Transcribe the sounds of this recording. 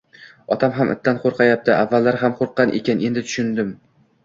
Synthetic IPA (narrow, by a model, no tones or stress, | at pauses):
ɒt̪ʰamɦamʔɪ̰t̪ʰːanqʰoɾqʰɑjap̚t̪ʰɪʔavːalːaɾɦamqʰoɾqːɑnʔekʲʰane̞nd̪ɪt̪ʰʊ̥ʃʊnd̪ɪm